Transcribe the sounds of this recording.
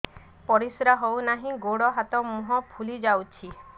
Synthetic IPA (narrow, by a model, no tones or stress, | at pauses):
pɔɾisɾaɦownaɦĩɡoɽɔɦat̪ɔmuɦɔpʰulid͡ʒawt͡ʃʰi